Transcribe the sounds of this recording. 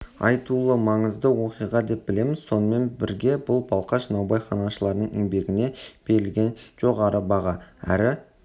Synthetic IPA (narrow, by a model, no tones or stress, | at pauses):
ɑ̰jt̪ulˠəmɑɴəzd̪əwo̞qijʁɑd̪e̞p̚b̥ɪle̞mɪz̥so̞nəme̞nbɪ̰ɾɡʲe̞bʊlˠbɑlˠqɑʃnɑwbɑjχɑnɑʃəlˠɑɾnəɴɪŋbe̞ɡʲɪne̞b̥e̞ɾɪlɡʲe̞nʒ̥o̞ʁɑɾəbɑʁɑæ̰ɾɪ